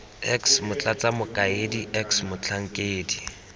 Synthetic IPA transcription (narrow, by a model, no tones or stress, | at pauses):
ɛksmʊt͡ɬʼat͡sʼamʊkʼaediɛksmʊt͡ɬʰaŋ̩kʼeːdi